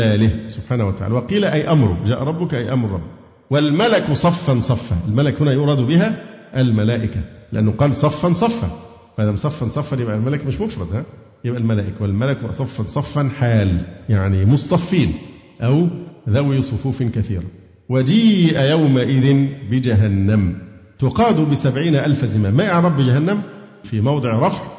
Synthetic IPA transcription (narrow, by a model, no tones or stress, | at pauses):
æːlɪhsʊbħaːnæhwæt̪aʕa̰ːlwɑqiːlæʔæjʔɑmɾˤʊ̰d͡ʒæːʔɾˤɑbːʊkʔæjʔɑmɾˤɾˤɑbː | wælmælæksˤɑfːɑnsˤɑfːa̰ʔɪlmælækhʊnæːjʊːɾˤɑd̪bɪɦæʔælmælæːʔɪkælɪʔænːhʊqɑːlsˤɑfːɑnsˤɑfːɑ̰ | fʔad̪æmsˤɑfːɑnsˤɑfːɑnjebʔælmælækmɪʃmofɾˤɑd̪ˤhæ | jɪbʔælmælæːʔɪkwɪlmælɪksˤɑfːɑnsˤɑfːɑnħaːljaʕnimosˤt̪ˤɑfːiːn | ʔæwðæwisˤofuːfɪnkæθḭːɾˤɑ | wæd͡ʒiːʔæjæwmaʔɪðɪnbɪd͡ʒæɦænːæmt̪ʊqɑːd̪ubɪsæbʕiːnæʔælfæzɪmæːmːæʔaʕɾˤɑbbɪd͡ʒæhænːæm | fiːmɑwd̪ˤɨʕɾˤɑfʕ